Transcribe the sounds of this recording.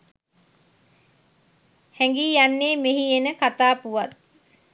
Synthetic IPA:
hɛŋɡiːjanːeːmeɦienəkat̪aːpuʋat̪̚

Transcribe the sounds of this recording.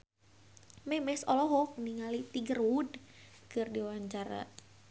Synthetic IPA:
mɛmɛsɔlɔɦɔkniŋalit̪iɡəɾud | kɨrdiwaɲt͡ʃaɾa̰

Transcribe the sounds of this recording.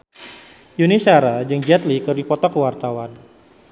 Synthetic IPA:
junisaɾad͡ʒɨŋd͡ʒɛt̪likərdipɔt̪ɔkəwart̪awan

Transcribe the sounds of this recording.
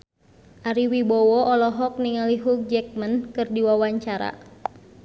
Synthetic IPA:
ʔaɾiwibɔwɔʔɔlɔɦɔk̚niŋaliɦuk̚d͡ʒɛk̚mənkɨrdiwawaɲt͡ʃaɾa̰

